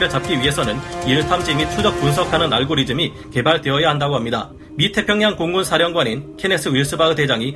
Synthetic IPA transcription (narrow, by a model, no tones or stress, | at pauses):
ɾɯɭt͡ɕap̚k͈iɥiɦe̞sʰʌnɯniɭtʰamd͡ʑimit͡ɕʰud͡ʑʌk̚punsʰʌkʰanɯnaɭɡoɾid͡ʑɯmi | ke̞baɭdweʌjaɦandaɡoɦamɲida | mitʰe̞pʰjʌŋɲaŋkoŋɡunsʰaɾjʌŋɡwaninkʰene̞s͈ʰɯiɭs͈ɯbaɡɯde̞d͡ʑaŋi